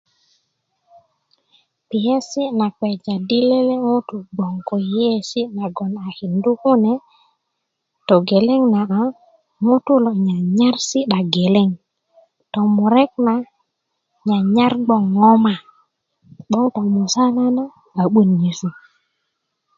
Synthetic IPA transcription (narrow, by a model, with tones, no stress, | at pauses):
pi˨je˦si˦na˨kwɛ˨d͡ʒa˨di˦le˦le˦ŋo˦tu˨ɡ͡bɔ˨ŋko˨je˦si˦na˨ɡɔ˨na˨hi˨ndu˦hu˦ne˨˦ | to˨ɡe˨le˦ŋna˨ʔa˨ | mu˦tu˦lo˨ɲa˨ɲa˦ɾsi˦ɗa˨ɡe˨le˦ŋ | tɔ˨mu˨ɾɛ˦k̚na˨ | ɲa˨ɲa˦ɾɡ͡bɔ˨ŋːɔ˦ma˨ | ɓɔ˦ŋto˨mu˨sa˦la˦na˦ | a˨ɓu˦nɲi˨su˨